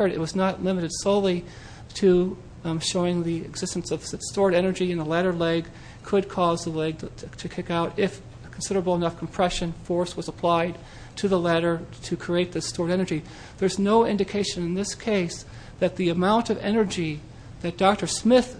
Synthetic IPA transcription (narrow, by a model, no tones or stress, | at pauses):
ə˞ɾɨ̰t̚wʌznətˡlɪ̃mɨɾɨd̥soʊlˠi | ɾɨ | ʃoʊɪ̃ŋðiɨ̰ɡzɪstn̩sʌv̥ɨstɔɹɾɛnə˞d͡ʒiɨ̃nðəlæɾə˞lɛɡ̚ | kʰɨd̚kʰɔzðəlɛɡ̚ʰtʰɨkʰɪkaʊɾɪf | kʰn̩sɪɾə˞əbl̩ˠənʌfkʰm̩pʰɹ̥ɛʃɨ̃nfɔɹswʌzəpʰl̥aɪd̚ | tʰɨðəlæɾə˞ɾɨkʰɹ̥ieɪt̪̚ðɨstɔɹɾɛnə˞d͡ʒi | ðə˞znoʊɪ̃ndɨkʰeɪʃɨ̃nɨ̃nðɪskʰeɪs | ðɨt̪̚ðiɨmãʊ̃ntʌvɛnə˞d͡ʒi | ðɨt̚d̥ɑk̚tə˞smɪθ